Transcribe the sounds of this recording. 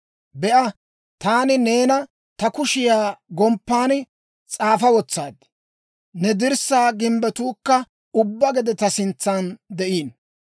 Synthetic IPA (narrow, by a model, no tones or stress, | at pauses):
bɛʔɐ | t̪aːnɪne̞ːnɐ | t̪ɐkʊʃɪjaːɡɔmpːaːn | t͡sʼaːfɐwɔt͡sːa̰ːd̪ | nɛd̪ɪɾsaːɡɪmbɛt̪uːkːɐ | ʊbːɐɡɛd̪ɛt̪ɐsɪnt͡sːaːnd̪ɛʔiːn